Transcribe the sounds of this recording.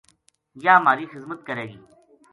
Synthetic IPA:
jaːmaːɾiːxɪzmət̪kəɾeːɡiː

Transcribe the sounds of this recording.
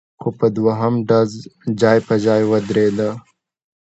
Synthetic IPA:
xopəd̪waɦamɖazd͡ʒɑːjpəd͡ʒɑːjwəd̪ɾed̪a

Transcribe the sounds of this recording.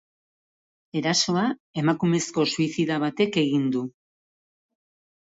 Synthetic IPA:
e̞ɾaso̞ae̞makume̞sko̞suisiðaβ̞at̪e̞ke̞ɣind̪u

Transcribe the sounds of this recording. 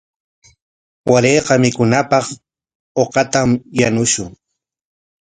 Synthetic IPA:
waɾejqɑmɪkʊnapɑχ | oqɑt̪amjanʊʃʊŋ

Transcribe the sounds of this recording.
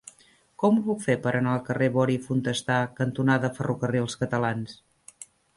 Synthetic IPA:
kɔmupukfepəɾʔənalˠkəreβɔɾifunt̪əst̪akənt̪unaðəfərukərilˠskət̪əlans

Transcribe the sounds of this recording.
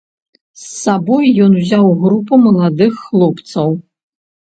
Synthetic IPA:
sːabɔjːɔnuzʲawɣɾupɐmɐlˠad̪ɨxːlˠɔpt̪sɐw

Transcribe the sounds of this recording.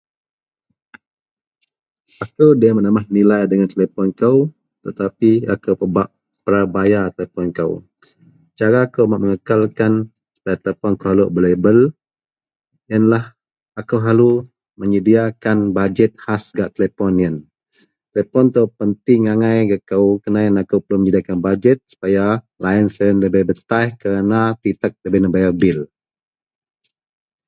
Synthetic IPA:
ʔakəwdiamənəmahnilajdəŋant̪əlepɔnkəw | t̪ət̪apia̰kəwpəbaʔ | pəɾabajat̪lepɔnkə̰w | t͡ʃaɾaːkəwmaʔməŋəkalkan | su̥pajat̪elepɔnkəɦaluʔbəlebəl | jənlah | akəwɦalu | məɲədiakanbad͡ʒɛt̪̚hasɡaʔt̪ələpɔnjən | t̪əlɛpɔnt̪awpənt̪ɪŋaŋajɡakəwkənajənakəwpəluməɲədiakanbad͡ʒɛt̪̚su̥paja | lajənsəənləbəhbət̪ajhkəɾənat̪it̪ək̚ləbənəbajəbɪl

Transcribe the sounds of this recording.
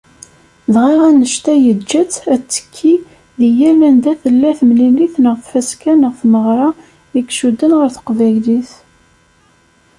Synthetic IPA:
ðʁiʁænəʃt̪æjəd͡ʒːæt͡sːæt͡sːə̥kʰːi | ðijælænd̪æθəlːæθəmliliθnəʁθfæskænəʁθməʁɾˤɑ | əkʃud̪ənʁəɾθə̥qvæjliθ

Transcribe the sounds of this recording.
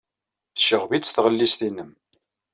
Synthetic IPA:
ʃəʁviːθʁəlːist̪inəm

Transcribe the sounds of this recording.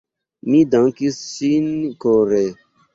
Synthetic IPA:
midaŋkisːinkoɾe

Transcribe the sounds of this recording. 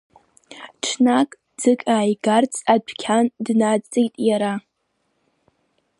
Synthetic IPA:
ʈ͡ʂʰnakʼ | d͡zɨkʼaːjɡart͡sʼadʰʷkʲʰandnat͡sʼejtʼjaɾa

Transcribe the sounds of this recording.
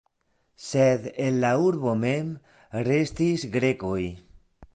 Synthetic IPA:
seðenlauɾβomem | rest̪isɡɾekoj

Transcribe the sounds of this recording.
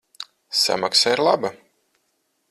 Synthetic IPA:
sa̰maksaiɾlˠaba

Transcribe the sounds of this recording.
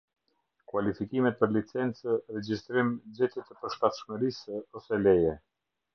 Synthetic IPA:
kwalifikimɛt̪̚pəɾlit͡sɛnt͡səɾɛd͡ʑist̪ɾimd͡ʑɛt̪ɛt̪əpəɾʃt̪at̪ʃməɾisɔsɛlɛjɛ

